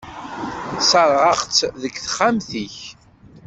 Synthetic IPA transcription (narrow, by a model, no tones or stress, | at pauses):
səɾˤʁəχt͡sːðəɡθχːamθiç